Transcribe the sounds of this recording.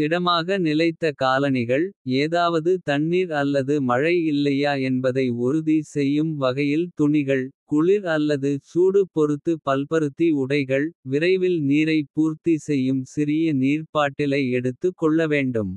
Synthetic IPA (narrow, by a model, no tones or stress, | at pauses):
ɪɽɐmaːɣɐnɪlɐɪt̪ːɐkaːlɐnɪɣɐɭeːðaːʋɐðɯt̪ɐɳːiːɾɐlːɐðɯmɐɻɐɪɪlːɐjaːɛnbɐðɐɪɔɾɯðisɛjːɯmʋɐɣɐjɪlt̪ʊɳɪɣɐɭkʊɭɪɾɐlːɐðɯsuːɽɯpɔɾɯt̪ːɯpɐlpɐɾɯt̪ːiʊɽɐɪɣɐɭʋɪɾɐɪʋɪlniːɾɐɪpuːɾt̪isɛjːɯmsɪɾɪjɐniːrpaːʈːɪlɐɪɛɽɯt̪ːɯkːɔɭːɐʋeːɳɖɯm